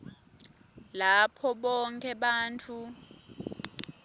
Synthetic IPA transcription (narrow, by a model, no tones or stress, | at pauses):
lapʰɔɓɔŋkʰʼɛɓaːnt͡fʰʼu